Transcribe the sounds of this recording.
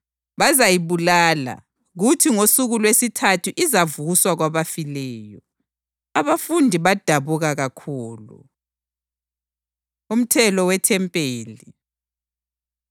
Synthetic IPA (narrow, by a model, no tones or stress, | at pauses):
βazajiβulaːla̰ | ɣutʰiŋosuɣulwesitʰatʰuʔizavuuswaɣwaβafilɛːjɔ | aβafundʱiβad̥ʱaβuɣaɣakʰuːlṵ | um̩tʰɛlɔwɛtʰɛmpʼeːli